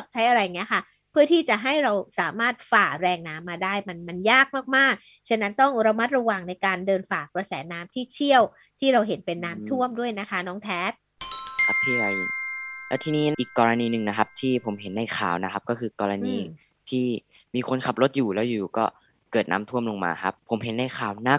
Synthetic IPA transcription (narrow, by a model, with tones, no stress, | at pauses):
p̚t͡ɕʰa˦˥jʔa˧ɾa˧ja˨ŋːni˦˥ɐkʰa˥˩ | pʰɯ˥˩ət̪ʰiː˥˩t͡ɕa˨˩ɦa˥˩jɾa˧wsaː˩˦maː˥˩t̪̚faː˨˩k̚ɾɛː˧ŋnaː˦˥mːaː˧daː˥˩jma˧nma˧njaː˥˩k̚maː˥˩k̚maː˥˩k̚ | t͡ɕʰe˥˩nːa˦˥nt̪ɔ˥˩ŋɾa˧ma˦˥t̪̚ɾa˧waː˨˧ŋna˧jkaː˧ndɤː˧nfaː˨˩k̚pɾa˧sɛː˩˦naː˦˥mt̪ʰiː˥˩t͡ɕʰi˥˩əw | t̪ʰiː˥˩ɾa˧wɦe˩˦npe˧nːaː˦˥mt̪ʰu˥˩əmdu˥˩əjna˦˥kʰa˦˥nɔː˦˥ŋt̪ʰɛː˦˥t̪̚ | kʰa˦˥pʰːiː˥˩a˨˧˩jlɛː˦˥wt̪ʰiː˧niː˦˥ʔiː˨˩kːɔː˧ɾa˧niː˧nɯ˨˩ŋna˦˥kʰa˦˥p̚t̪ʰiː˥˩pʰo˩˦mɦe˨˩˦nːa˧˩jxʰaː˨˩wna˦˥kʰa˦˥p̚kɔː˥˩kʰɯː˧kɔː˧ɾa˧niː˧ | t̪ʰiː˥˩ | miː˧kʰo˧nkʰa˨˩p̚lo˦t̪̚juː˨˩lɛː˦˥wjuː˨˩kɔː˥˩ | kɤː˨˩t̪̚na̰ː˦˥mt̪ʰu˥˩əmlo˧ŋma̰ː˧kʰa˦˥pʰːo˨˩˦mɦe˨˦nːa˧˩jxʰaː˨˩wna˦˥˩